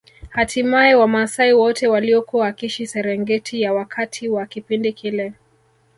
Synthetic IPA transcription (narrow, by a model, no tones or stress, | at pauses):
hatʰimaɛwamaːsaiwɔtɛwaliɔkuwaakiʃisɛɾɛŋɡɛtʰijawakʰatʰiwakipindikʰilɛ